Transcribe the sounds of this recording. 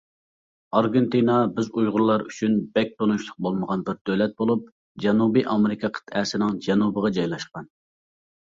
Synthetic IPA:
ɑɾɡʲent̪inɑbɪzujʁʊɾlˠɑɾyt͡ʃʰynbɛk̚ʲt̪ʰonuʃlˠʊq̚bolˠməʁɑnbɪɾd̪̥ølɛt̪̚bolˠup̚ | d͡ʒɛnubiʔɑmɪɾɪkʰɑqʰə̥t̪ʰɛsɪnɪŋd͡ʒɛnubəʁɑd͡ʒɑjlˠɑʃqɑn

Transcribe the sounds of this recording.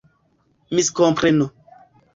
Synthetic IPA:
miskompɾeno

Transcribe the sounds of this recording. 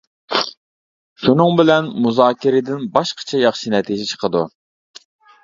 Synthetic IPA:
ʃunɨŋbɪlɛnmuzɑːkʲɪɾɪd̪ɪnbɑʃqʰɑ̥t͡ʃʰɛjɑχʃinɛt̪ʰid͡ʒɪt͡ʃʰə̥qʰəd̪u

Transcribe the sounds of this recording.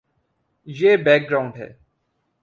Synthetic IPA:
jeːbɛːk̚ɡɾaːʊ̃ɳɖɦɛ̰ː

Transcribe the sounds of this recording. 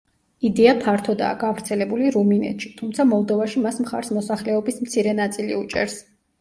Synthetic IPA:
id̪ɛapʰaɾt̪ʰɔd̪a̰ːɡavɾt̪sʰɛlɛbuliɾuminɛ̰t̪ʃi̥t̪ʰumt̪sʰamɔlˠd̪ɔvaʃimasmχa̰ɾsmɔsaχlɛɔbismt̪sʰiɾɛnat̪sʼilḭut͡ʃʼɛ̰ɾs

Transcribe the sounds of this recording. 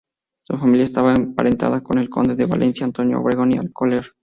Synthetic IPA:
sufamiljaest̪aβaempaɾent̪a̰ðako̞ne̞lko̞nd̪e̞ðeβa̰lʔe̞nsjaːnt̪o̞njo̰o̰βɾeɣo̞nialkoleɾ

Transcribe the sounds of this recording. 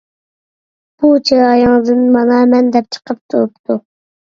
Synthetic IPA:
b̥ut͡ʃʰeɑjɑŋd̪ɨnmɑnɑmɛnd̪ɛp̚t͡ʃʰə̥qʰəp̚t̪ʰṵɾupt̪ʰu

